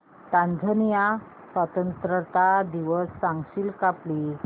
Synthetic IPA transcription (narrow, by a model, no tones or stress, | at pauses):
t̪ãnd͡zʱənja | sʋət̪ənt̪ɾət̪ad̪iʋəsːãŋɡɕilkapli